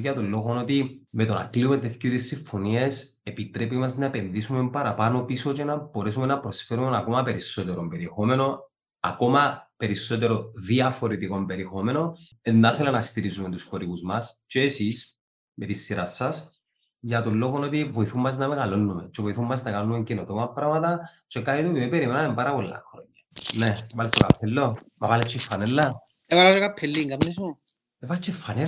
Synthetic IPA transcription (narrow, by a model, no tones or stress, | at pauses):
ʝɐt̪olːo̞ɣo̞no̞t̪ime̞t̪onɐ̰kliumet̪eθcut̪isːiɱfo̞nie̞s | epit̪ɾe̞pimɐznɐepe̞nðisume̞mbɐɾɐpɐno̞pisot͡ʃenɐbo̞ɾes̬ume̞nɐpɾo̞sfe̞ɾumenɐko̞mɐpe̞ɾisːo̞t̪eɾombe̞ɾie̞xo̞me̞no̞ | ɐ̰ko̞mɐpe̞ɾisːo̞t̪e̞ɾoðiɐfo̞ɾet̪iko̞mbe̞ɾiexo̞me̞no̞ | enːɐθelenɐst̪iɾizume̞nt̪u̥sxo̞ɾiɣuzmɐst͡ʃeːsis | mʔet̪isːiɾɐsːɐs | ʝɐt̪olːo̞ɣono̞t̪ivo̞iθumːɐznɐmeɣɐlo̞nːumet͡ʃevoiθumːɐznɐɣalonume̞ɲcinot̪omɐpɾɐmɐt̪ɐt͡ʃekɐnit̪uot̪imibeɾimenɐembɐɾɐpolːɐ̰xɾoɲːɐnevɐlest̪okɐpʰːelːomɐvɐlet͡ʃːifːɐnelːɐevɐlest̪okɐpʰːelːiŋɡɐmnisu | evɐt͡ʃːefːɐne